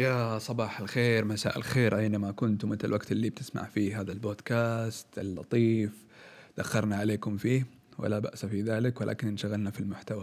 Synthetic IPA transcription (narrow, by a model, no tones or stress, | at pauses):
jasˤɑbɑːħalxeːɾmasa̰ːʔɪ̰lxeːɾʔajnamakʊnt̪mɪt̪lɪlwaɡt̪ɪlːib̚t̪ɪ̥sma̰ʕfiːɦaːðalboːd̪kaːst̪ɪlːɑ̰t̪ˤiːf | d̪̥axːɑɾˤnaʕaleːkʊmfiː | wɪ̰laba̰ʔsafiðaːlɪkwɪlʔa̰ːkɪnʔɪnʃaɣalnafilmʊħt̪awa